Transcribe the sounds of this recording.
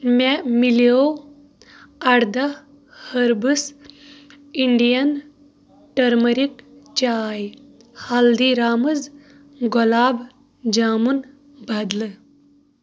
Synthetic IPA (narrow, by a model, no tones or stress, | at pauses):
memileo | ɐɽd̪a | həɾbəs | iɳɖijɐn | ʈəɾməɾikt͡ʃaːj | hald̪iɾaːməd͡z | ɡɔlaːb | d͡ʒaːmun | bad̪lə